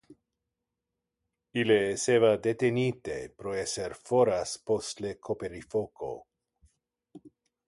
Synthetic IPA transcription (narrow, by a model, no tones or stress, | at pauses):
ileːsevad̪et̪enit̪epɾoeseɾfoɾaspost̪lekʰopeɾifoko̰